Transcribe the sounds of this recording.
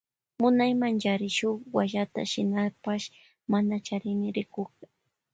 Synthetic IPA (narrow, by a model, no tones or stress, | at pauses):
mʊnajmand͡ʒaɾɪʃʊχwaʒat̪a̰ʃɪnapaʃ | manat͡ʃaɾɪmɪɾɪkʊka